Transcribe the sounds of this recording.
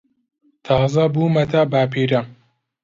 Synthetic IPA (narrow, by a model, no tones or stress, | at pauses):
t̪ʰɑːzɐbuːmɐt̪abaːpʰiːɾɐ